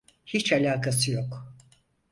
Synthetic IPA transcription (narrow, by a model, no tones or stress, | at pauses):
hit͡ʃalʲaːkasɯjo̞k